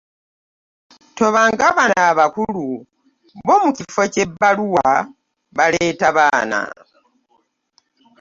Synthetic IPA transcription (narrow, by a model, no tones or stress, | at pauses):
to̞βaːŋɡaβanaβakulu | βo̞mucifo̞ce̞bːaluwa | βaleːtaβaːna̰